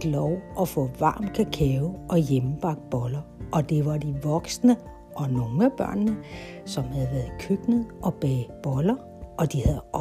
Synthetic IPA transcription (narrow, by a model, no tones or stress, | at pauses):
d̥lɒʊʔɒfɔ̰̽ːʋɑ̈ːmkʰækʰɛʊʔɒ̽jem̩b̥ɑ̈ɡ̥̚d̥̚b̥ɒ̽lɐʔɒ̽d̥e̝ʋɑ̈d̥iʋɒ̽ɡ̥snə | ʔɒ̽no̝ŋæb̥ɶɐ̰nːə | sɒ̽mhæð̞̩ˠʋæːɐð̩ˠkʰøɡ̥nəð̩ˠʔɒ̽b̥ɛ̰ːb̥ɒ̽lɐ | ɒ̽d̥ihæðˠɒ